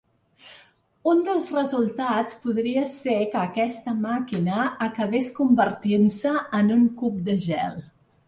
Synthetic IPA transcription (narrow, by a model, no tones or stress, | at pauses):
und̪əlˠzrəzulˠt̪at͡spuðɾiəsekəːkɛst̪əmakinəːkəβeskumbəɾt̪insəːnuŋkup̚d̪əʒɛ̰lˠ